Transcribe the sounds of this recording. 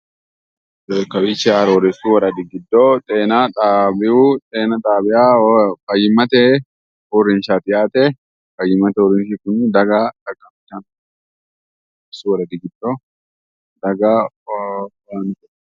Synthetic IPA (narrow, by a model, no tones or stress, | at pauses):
kɐbɪt͡ʃːɛɐɾoɾɛsuwɐɾɐd̪ɪɡɪd̪ːot̪ʼeːnat̪ʼaːbɪʔut̪ʼeːnɐt̪ʼaːbɪjafɐjːɪmːɐt̪ɛ | ɔrːɪnʃaːt̪ɪjaːt̪ɛ | fɐjːɪmːɐt̪ɛɔɾɪnʃikʊnd̪ɐɡat̪ɐkːɐmtɐn | ɛsuwɐɾɐd̪ɪɡɪd̪ːo | d̪ɐɡa | ant